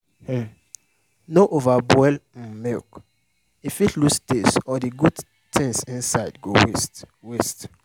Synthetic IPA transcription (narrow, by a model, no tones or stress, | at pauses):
he | noʔovabɛlm̩milk | ifitlustesɔdiɡud | tʰɛ̃ŋsĩnsaɪdɡowest | west